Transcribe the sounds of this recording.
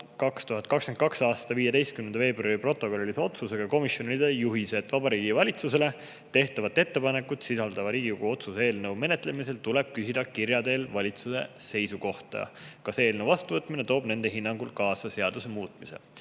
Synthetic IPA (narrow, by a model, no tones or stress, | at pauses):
kɑkst̪uɦɑt̪kɑksken̚kɑksɑːst̪ɑviːjed̪e̞jst̪̚kymnːend̪ɑve̞ːbrɑɾipro̞t̪ːˑo̞kollːise̞o̞t̪suse̞ɡ̥ɑko̞misjo̞nilid̪ejuɦiset̪ːvɑbɑɾiːɡ̥ivɑlʲit̪suse̞le̞ | t̪e̞ht̪ɑvɑt̪ːˑe̞t̪ːe̞pɑne̞kːˑut̪sisɑld̪̥ɑvɑɾiːɡ̥ikuɡ̥uo̞t̪suse̞ːlnəwme̞net̪ˑle̞mise̞lt̪ule̞b̥̚kysid̪̥ɑkirjɑd̪e̞ːlvɑlʲit̪suse̞̰se̞jsuko̞ht̪ɑ̰kɑse̞ːlnəwvɑst̪uvɤt̪ːˑmine̞t̪o̞ːb̥ne̞nd̪̥e̞ɦinːɑŋɡulkɑːsɑse̞ɑd̪̥use̞muːt̪ˑmise̞̰